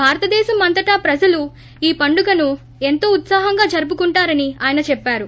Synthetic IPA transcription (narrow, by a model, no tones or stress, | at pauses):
bʱaːɾɐt̪ɐd̪ɛːʃɐmːɐnt̪ɐʈaːpɾɐd͡ʒɐlu | iːpɐɳɖuɡɐnu | e̞nt̪o̞ːut̪saːɦɐŋɡaːd͡ʒɐɾup̬ukuɳʈaːɾɐniaːjɐnɐt͡ʃɛpːaːɾu